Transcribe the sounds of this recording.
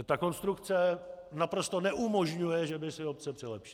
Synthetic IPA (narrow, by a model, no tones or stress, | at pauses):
t̪ako̞nst̪ɾukt͡sɛ | napɾo̞st̪o̞nɛʔumo̞ʒɲujɛʒɛbɪsɪop̚t͡sɛpr̝̥ɪlɛpʃɪ̥